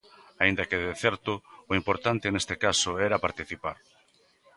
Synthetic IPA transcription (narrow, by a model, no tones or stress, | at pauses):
aind̪akeðeθɛɾt̪ʊʊimpoɾt̪ant̪enest̪ekasʊɛɾapaɾt̪iθipaɾ